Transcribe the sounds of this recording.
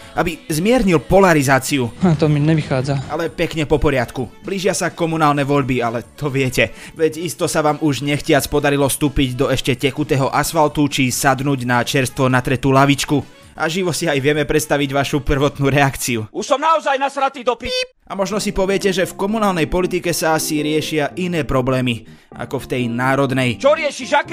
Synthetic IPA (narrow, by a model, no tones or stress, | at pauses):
ʔabizmɪɛɾɲilpɔlaɾizaːt͡siuat̪ɔmiɲɛʋixaːd͡zaʔalɛpɛkɲɛpɔpɔɾɪat̪kubliːʒɪasakɔmunaːlnɛʋɔʎbialɛt̪ʰɔʋɪɛcɛ | ʋɛɟist̪ɔsaʋaːmuʒɲɛxcɪat͡spɔd̪aɾilɔfst̪uːpiɟd̪ɔɛʃcɛcɛxut̪ɛːɦɔʔasfalt̪ut͡ʃisad̪nuːɟnat͡ʃɛɾst̪ʋɔnat̪ɾɛt̪uːlaʋit͡ʃku | ʔaʒiʋɔsiajʋɪɛmɛpɾɛt̪st̪aʋiɟʋaʃupr̩ʋɔt̪nuːɾɛakt͡siuuʃsɔmnaɔzajnasɾat̪iːd̪ɔpi | amɔʒnɔsipɔʋɪɛcɛʒɛfkɔmunaːlnɛjpɔlit̪ikɛsaasiɾɪɛʃɪaʔinɛːpɾɔblɛːmi | a̰kɔft̪ɛjnaːɾɔd̪nɛjt͡ʃɔɾɪɛʃiʒak